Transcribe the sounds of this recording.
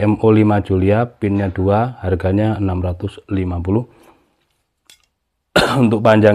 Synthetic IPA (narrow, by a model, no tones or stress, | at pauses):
ɛmolimad̥d͡ʒ̥uliapɪnɲad̥uaharɡaɲaənamɾat̪ʊslimap̬ulʊh | unt̪ʊk̚paɲd͡ʒa